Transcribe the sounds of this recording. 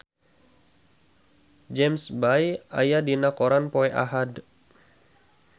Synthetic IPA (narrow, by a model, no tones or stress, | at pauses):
d͡ʒɛmsbaja̰jadinakoɾanpɔɛʔa̰ɦad